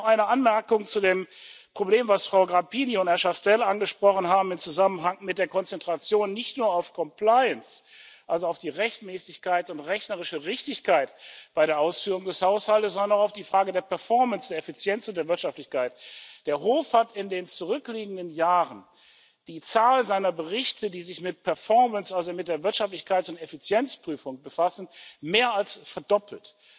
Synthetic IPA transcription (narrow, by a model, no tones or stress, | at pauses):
ɔχaɪnəʔanmɛɐkʊŋt͡sudeːmpʁ̥obleːmvasfʁ̥aʊɡʁapiniʊnthɛɐʃastɛlanɡəʃpʁ̥ɔχn̩ɦaːbm̩ɪmt͡suzamənɦaŋmɪt̚d̥eːɐkɔnt͡sɛntʁ̥at͡sjoːnːɪçtnuːɐaʊfkʰɔmplaɪənsʔalzoaʊfd̥iːʁɛçtmɛːsɪçkaɪtʊntʁɛçnəʁɪʃəʁɪçtɪçkaɪtb̥aɪɾeːɐʔaʊsfyːʁʊŋdɛshaʊshaltəszɔndɐnaʊxaʊfd̥iːfʁ̥aːɡədeːɐpʰɛɐfɔɐmənsd̥eːɐɛfit͡sjɛnt͡sʊntd̥eːɐvɪɐtʃaftlɪçkʰaɪtd̥eːɐɦoːfhatɪndeːnt͡suʁʏkliːɡŋ̩dənjaːʁən | d̥iːt͡saːlzaɪnɐbəʁɪçtədiːzɪçmɪt̚pʰɛɐfɔɐmənsʔalzomɪt̚d̥eːɐvɪɐtʃaftlɪçkʰaɪtʊntɛfit͡sjɛnt͡spʁ̥yːfʊŋbəfasn̩meːɐalsfɛɐdɔpl̩t